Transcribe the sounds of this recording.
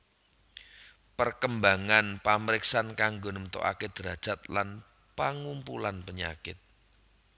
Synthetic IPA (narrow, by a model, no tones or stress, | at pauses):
pərkəmbaŋanpaməɾɪksankaŋɡonəmət̪o̰ʔa̰ked̪̥əɾad̥ʒ̥a̤t̪̚lan | paŋumpulanpəɲa̰kɪt̪̚